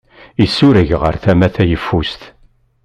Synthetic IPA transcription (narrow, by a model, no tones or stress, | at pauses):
isːuɾəʝʁə̰ɾθæmæθæjəfːust̪